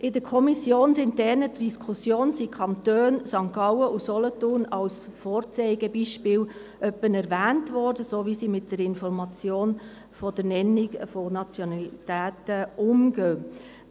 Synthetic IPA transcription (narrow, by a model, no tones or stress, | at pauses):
ʔɪdəɾkʰɔmisjoːnsɪntdɛɾnədd̥iskʰusjoːnsikʰɑnt̪øːnsɑŋkɑʊwəʔusɔlɔtʊrnɑwsfɔːɾt͡sɛɪɡ̥əbiʃpɪːw | ʔœpːənɛɾvæːntʋɔrdəsoʋisiːmɪt̚d̥əɾɪnfɔɾmɑt͡sjoːn | fɔd̥ənɛnːiɡfɔnɑt͡sjɔnɑlitæːtəʔʊmɡ̥øː